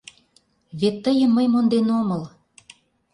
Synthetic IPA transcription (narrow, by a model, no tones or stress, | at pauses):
βet̪ːəjə̆mːəjmond̪enoməl